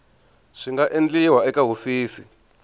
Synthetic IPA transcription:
ʂiŋɡaʔend͡ɮiwaɛkaɦofiːsḭ

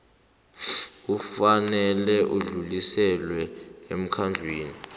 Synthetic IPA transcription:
ufanɛlɛʔuɮulisɛlwɛem̩kʰand͡ɮʱweːni

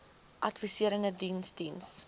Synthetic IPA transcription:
ʔɐtvisiəɾəndədinsdins

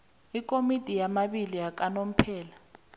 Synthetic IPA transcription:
ikʼomitʼijamaɓilijak̬ʼanom̩pʰɛːla

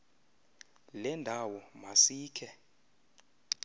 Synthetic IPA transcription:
lɛndʱawɔmasiːkʰɛ

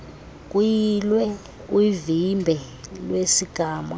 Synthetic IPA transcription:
k̬ʼujilwɛ | uvimbʱɛ | lwesiɡ̥ʱaːma̰

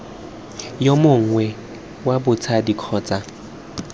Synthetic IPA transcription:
jomʊŋ̩ŋwɛ | wabʊt͡sʰadikʰɔːt͡sʼa

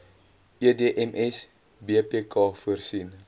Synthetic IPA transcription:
iədeəʔɛmʔɛs | biəpeːkɑːfuərsin

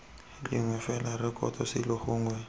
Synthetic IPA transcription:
lɪŋwɛfɛlarɪkʼɔ̰tʰʼɔsɪlɪhʊːŋwɛ

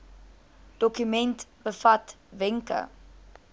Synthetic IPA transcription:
d̥ɔkymɛntb̥əfɐt | vɛŋkə̰

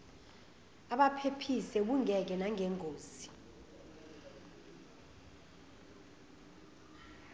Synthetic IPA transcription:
aɓapʰepʰisɛɓuŋɛk̬ɛnaŋɛŋʱoːzi

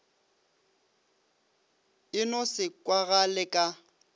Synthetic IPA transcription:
ɪnɔsɪkʼwaɣalɪkʼa

